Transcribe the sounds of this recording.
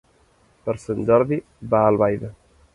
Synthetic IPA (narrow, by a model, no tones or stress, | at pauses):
pəɾsənd͡ʒɔɾði | baːlˠβajðə